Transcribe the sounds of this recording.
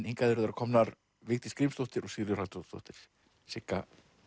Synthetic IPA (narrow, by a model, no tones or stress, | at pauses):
niŋkaðɪɾʏðaɾakʰɔmnaɾ | vɪɣt̪ɪ̥skɾimst̪owht̪ɪɾɔɣsɪɾjʏralt̪st̪o̰wht̪ɪɾ̥ | sɪkːa